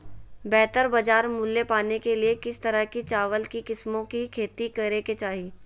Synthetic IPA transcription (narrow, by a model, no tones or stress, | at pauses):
bɛːt̪əɾbɐd͡ʒaːɾmʊlːepaːnekeliekɪst̪ɐɾəkit͡ʃaːʋəlkikɪsmõkikʰeːt̪ikɐɾeket͡ʃaːɦi